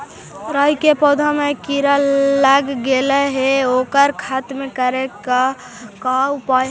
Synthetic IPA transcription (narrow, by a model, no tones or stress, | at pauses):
ɾəjkepɔd̪ʱəmekiɾəlaɡːeləɦeokəɾkʰat̪mekəɾeka | kaupa